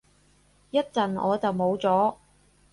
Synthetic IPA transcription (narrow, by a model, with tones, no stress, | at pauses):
jɐ˥t̚t͡sɐ˨nɔ̰ː˨˧t͡sɐ˨wmo˨˧wt͡sɔː˨˥